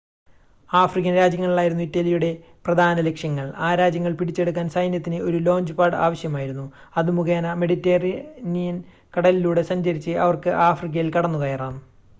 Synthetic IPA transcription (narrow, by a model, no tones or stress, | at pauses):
aːfrik̬ʲːɐnɾaːd͡ʑjɐŋːɐɭiɭaːjiɾunːuitːɐlijuɽe̞ | prɐd̪ʱaːnɐle̞kʂjɐŋːɐɭaːɾaːd͡ʑjɐŋːɐɭpiɽit͡ɕːe̞ɽuk̬ːaːnsɐjnjɐt̪ːinɨo̞ɾulo̞ːɲd͡ʑɨpaːɽa̰ːʋɐɕjɐmaːjiɾunːu | ɐðɨmuɣeːnɐmeɽitːeːrinijɐn | kɐɽɐliluːɽe̞sɐɲd͡ʑɐɾit͡ɕːɨʔɐ̰ʋɐrkɨʔaːfrik̬ːɐjilkɐɽɐnːuɣɐjɐraːn